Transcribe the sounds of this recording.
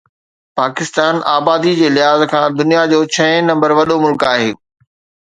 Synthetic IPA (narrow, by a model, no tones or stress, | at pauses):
paːkɪst̪aːnaːbaːd̪id͡ʑeːlɪɦaːzkʰãːd̪ʊnijad͡ʑoːt͡ɕʰɐ̃ɪ̃nɐ̃mbəɾʋɐɗomʊlkaːɦeː